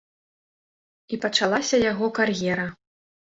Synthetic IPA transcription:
ipɐt͡ʂalˠasʲɐjaɣɔkarjɛɾɐ

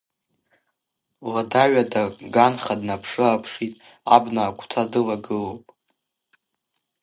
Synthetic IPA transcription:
ladaɥʷadaɡanχadnapʰʂɨapʰʂitʼabnaːkʷʰʼtʰadɨlaɡɨlowpʼ

